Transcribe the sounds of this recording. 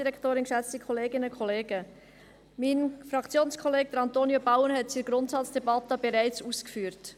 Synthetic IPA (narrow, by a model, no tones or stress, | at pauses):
d̥iɾɛkʰtoːɾɪnkʃæt͡stikʰχɔleːɡɪnəkʰχɔleːɡ̥ə | minfɾɑkt͡sjoːnskʰɔleːɡ̚d̪əɾɑnt̪oːnjobaʊənɦɛtt͡siɾɡɾʊntsɑt͡sd̥ɛbɑt̪əbɛɾæɪt͡suːskfyːəɾt